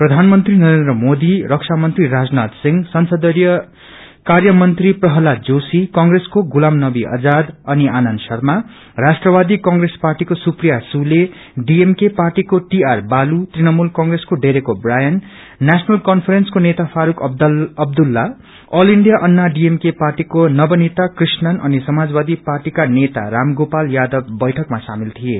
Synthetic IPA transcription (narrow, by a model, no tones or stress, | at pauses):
prʌd̪ʱanmʌnt̪rinʌɾend̪rʌmod̪iɾʌksʰamʌnt̪riɾad͡znad̪siŋɡsʌnsʌd̪ʌɾjʌ | karjʌmʌnt̪riprʌɦʌlad͡zosikʌŋɡreskoɡulamnʌbiʔʌ̰d͡zad̪ʌnianʌnsʌrma | rasʈrʌbad̪ikʌŋɡresparʈikosuprijasule | ɖiemkeparʈikoʈiarbalut̪rinʌmulkʌŋɡreskoɖeɾekobrajʌnː | asʌnʌlkʌnpʰʌɾenskonet̪apʰaɾukʌb̚d̪ulːa | ʌliɳɖijaʔʌnːaɖiemkeparʈikonʌbʌnet̪akrisnʌnʌ̰nisʌmad͡zbad̪iparʈikanet̪a̰ramɡopaljad̪ʌbːʌjʈʰʌkmasa̰milt̪ʰije